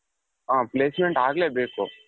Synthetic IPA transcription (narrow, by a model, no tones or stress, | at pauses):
ãːpleːsmeɳʈaːɡɐleːbeːkṵ